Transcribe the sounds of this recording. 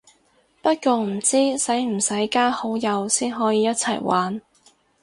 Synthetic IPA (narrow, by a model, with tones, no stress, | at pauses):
pɐ˥t̚kʷɔː˧m̩˨˩t͡siː˥sɐ˨˥jm̩˨˩sɐ˨˥jkaː˥ho˨˥wjɐ˨˧wsiː˥nɦɔː˨˥jiː˧jɐ˥t̚t͡sʰɐ̰˨˩jwʔaː˨˥n